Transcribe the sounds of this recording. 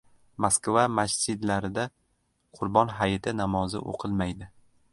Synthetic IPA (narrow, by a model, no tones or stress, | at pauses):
maskvamast͡ʃɪd̪laɾɪd̪a | qʰʊɾbɒnɦajɪt̪ʰɪnamɒzɪ̰ʔo̰qʰɨlˠmajd̪ɪ